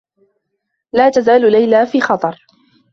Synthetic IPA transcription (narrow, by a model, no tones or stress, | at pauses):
laːt̪azaːllajlaːfiːxɑt̪ˤɑɾˤ